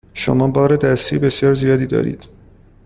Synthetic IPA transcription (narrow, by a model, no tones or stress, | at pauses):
ʃo̰mɒːbɒːɾed̪æst̪iːbe̞sjɒːɾzijɒːd̪iːd̪ɒ̰ːɾḭːd̪̥